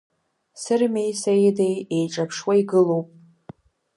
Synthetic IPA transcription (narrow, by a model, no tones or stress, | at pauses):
sɨrmejsaedejejʈ͡ʂʼapʰʂwaiɡɨlo̞wpʼ